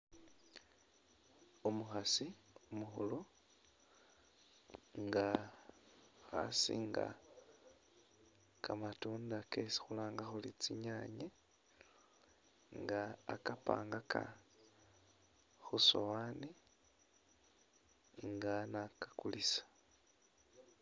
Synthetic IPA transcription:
omuxasi | omuxulo | ŋɡa | xa̰sḭŋɡa̰ | kamatuːndakesi̥xulaːŋɡaxulit͡siɲaːɲe | ŋɡaːkapa̰ːŋɡakʰa̰ | xusowaːni | ŋɡanakḁkulisḁ

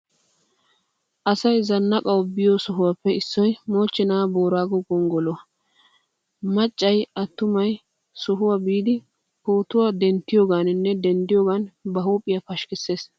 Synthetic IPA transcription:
ʔɐsɐjzɐnːɐkʼɐwbɪjɔsʊɦʊwapːɛɪsːɔjmo̞ːt͡ʃːɛnaːboːɾaːɡɔɡɔŋɡɔlɔ | mɐt͡ʃʼːɐjɐt̪ːʊmɐj | sʊɦʊwabiːd̪ɪ | koːt̪ʊwad̪ɛnt̪ːɪjoːɡaːnnːɛd̪ɛnd̪ɪjoːɡanbɐhuːpʼːɪjapɐʃkɪsːeːs

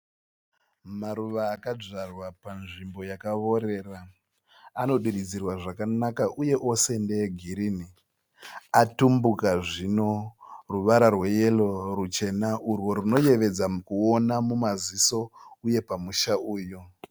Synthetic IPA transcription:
maɾuʋaːkad͡ʐarwapanʐimbo̞jakaʋo̞ɾe̞ra | ano̞ɗirid͡zirwaʐakanakaʔuje̞ʔo̞se̞ndeeɡʱiɾini | atumbukaʐino̞ruʋaɾarwe̞je̞lo̞rut͡ʃe̞naʔurwo̞ɾuno̞je̞ʋe̞d͡zakuo̞namumaziso̞uje̞pamuʃauːjo

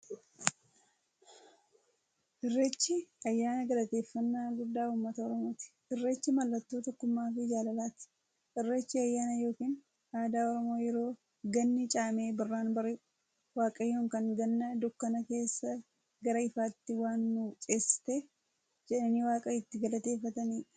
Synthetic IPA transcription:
ʔɪrːeːt͡ʃːɪɐjːaːnɐɡɐlɐt̪e̞ːfːɐnːaːɡʊd̪ːaːuːmːɐt̪ɐɔɾɔmo̞ːt̪ɪ̥ʔɪrːe̞ːt͡ʃːɪmɐlːɐt̪ːo̞ːt̪ɐkːʊmːaːfɪd͡ʒaːlɐlaːt̪ɪ̥ | ʔɪrːe̞ːt͡ʃːɪɐjːaːnɐjo̞ːkiːn | aːd̪aːɔɾɔmo̞ːjɛɾo̞ː | ɡɐnːɪt͡ʃʼaːme̞ːbɐrːaːnbɐɾɪ | waːkʼɐjoːŋkɐŋɡɐnːɐd̪ʊkːɐnɐke̞ːsːɐ | ɡɐɾɐɪfaːt̪ːɪwaːnːut͡ʃʼeːsɪ̥t̪eː | d͡ʒɛᶑɐniːwaːkʼɐɪt̪ːɪɡɐlɐt̪e̞ːfːɐt̪ɐniːᶑ

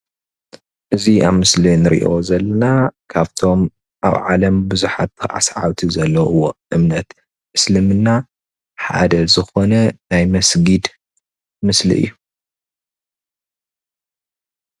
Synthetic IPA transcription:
ʔɨziʔaβmɨslinɨɾḭʔo̞zɐlːɐnakʰaβt̪ʰo̞m | ʔa̰βʕalɐmbɨzuħat̪ɨʕa̰sʕa̰wt̪ʰizɐlːɐɨwːoʔɨmnɐt̪ | ɨslɨmɨnːa | ħa̰d̪ɐzɨxo̞nɐnajmɐsɡid̪ | mɨslḭʔɨ̰jːu

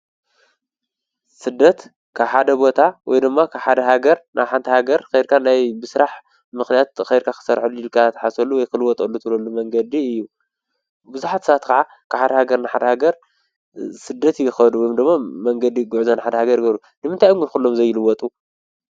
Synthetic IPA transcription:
sɨd̪ːɐt̪ | kʰaħad̪ɐbo̞t̪ʰawɔ̰jd̪ɨmːakʰaβħad̪ɐɦaɡɐɾnʔaħant̪ʰɐhaɡɐɾxejd̪kʰanajbɨsɨɾaħ | mɨxnijat̪̚xɐjd̪kʰakʰɨ̥sɐɾħulːujilkʰat̪ʰɐ̥ħasɐlːuwɔjkʰɨlɨwɔt̪ʼɐlːut̪ʰɨβlɐlːumɐŋɡɐd̪iɨjːu | bɨzuħat̪sβat̪kʰaʕa | kʰɨħad̪ɐhaɡɐɾnaħad̪ɐhaɡɐɾ | sɨd̪ːɐt̪jɪxɐd̪uwɔjomd̪ɨmːamɐŋɡɐd̪iɡuʕzɐnħad̪ɐhaɡɐɾɡɐβɾu | nɨmɨnt̪ʰajumɡɨnkulːo̞mzɐjːɪlɨwɔt̪ʼu

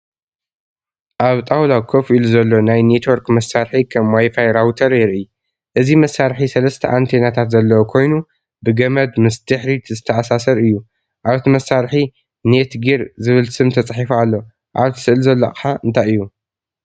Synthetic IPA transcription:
ʔaβt̪ʼawlakʰofiluzɐlːo̞najnet̪ʰwoɾkmɐsːaɾħikʰɐmwajfajɾawt̪ʰɐɾjɪɾʔɨ | ʔɨzimɐsːaɾħisɐlɐst̪ʰɐʔant̪ʰenat̪ʰat̪zɐlːɐwokʰo̞jnu | bɨɡɐmɐd̪mɨst̪ʰɨħɾit̪zɨt̪ʰːɐʔasasɐɾɨjːu | ʔaβt̪ʰimɐsːaɾħi | net̪ɡiɾzɨβɨlsɨmt̪ʰɐt͡sʼħifualːo̞ | ʔaβt̪ʰɨ̥sɨʔɨlzɐlːa̰kʼɨħaʔɨnt̪ʰajɨjːu

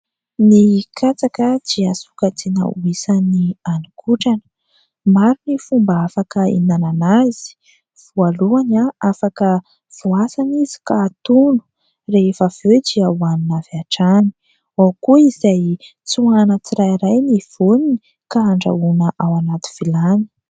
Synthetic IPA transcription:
nikʰat͡sakədiasu̥kat͡senə̰uisanianikʰuʈ͡ʂanə̥ | maɾunifumbaafakəḭnananaz̥i̥ | v̥ualuanaafakə | v̥uasanizi̥kaːt̪unu̥ | refav̥ewdiawaninavaʈ͡ʂani̥ | wawkuizaj | t͡suanət͡siɾajɾajniv̥onini | kaːɳɖ͡ʐa̰unəʔawanat̪u̥v̥ilani̥

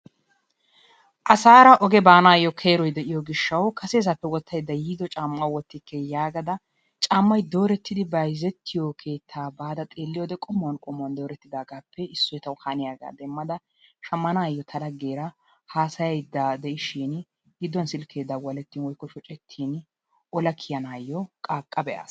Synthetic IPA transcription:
ʔɐsaːɾɐʔɔɡɛbaːnaːjɔkʰe̞ːɾɔjd̪ɛʔɪjɔɡɪʃːɐwkʰɐseːzɐpːɛwɔt̪ʰːɐjd̪ːɐjiːd̪ɔt͡ʃʼaːmːɐwɔt̪ːɪkːɛjaːɡɐd̪ɐ | t͡ʃʼaːmːɐjd̪o̞ːɾɛt̪ːɪd̪ɪbɐjzɛt̪ʰːɪjokʰe̞ːt̪ʰːaːbaːd̪ɐt̪ʼeːlːɪjoːd̪ɛkʼɔmːɔwɐnkʼɔmːʊwɐnd̪o̞ːɾɛt̪ːɪd̪aːɡaːpʰːɛɪsːɔjt̪ɐwhanɪjaːɡa̰ːd̪ɛmːɐd̪ɐ | ʃɐmːɐnaːjːɔt̪ʰɐlɐɡe̞ːɾɐ | haːsɐjɐjd̪ːad̪ɛʔɪʃiːn | ɡɪd̪ːɔnsɪlkʰe̞ːd̪ːɐwɐlɛt̪ːiːnwɔjkːɔʃɔt͡ʃʼɛt̪ʰːiːn | ʔɔlɐkʰɪjɐnaːjːɔkʼaːkʼːɐbɛʔa̰ːs

